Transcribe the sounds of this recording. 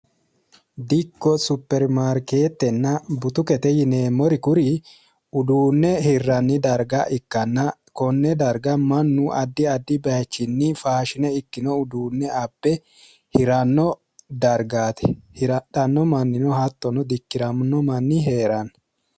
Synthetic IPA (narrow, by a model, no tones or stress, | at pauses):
d̪ɪkːɔsʊpːɛɾmaːɾke̞ːt̪ːɛnːɐbʊt̪ʊkɛt̪ɛjɪne̞ːmːɔɾɪkʊɾɪ | ʊd̪uːnːɛhɪrːɐnːɪd̪ɐɾɡɐʔɪkːɐnːɐ | kɔnːɛd̪ɐɾɡɐmɐnːʊʔɐd̪ːɪɐd̪ːɪbɐjt͡ʃːɪnːɪfaːʃɪnɛɪkːɪnɔʊd̪uːnːɛɐbːɛ | hɪɾɐnːɔ | d̪ɐɾɡaːt̪ɛ̥hɾᶑɐnːɔmɐnːɪnɔhɐt̪ːɔnɔd̪ɪkːɪɾɐmnɔmɐnːɪɦeːɾɐn